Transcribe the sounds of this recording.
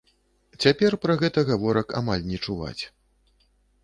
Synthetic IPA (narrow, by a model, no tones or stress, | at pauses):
t͡sʲapʲɛrpɾɐɣɛt̪ɐɣavɔɾɐka̰malʲnʲɛt͡ʂuva̰t͡sʲ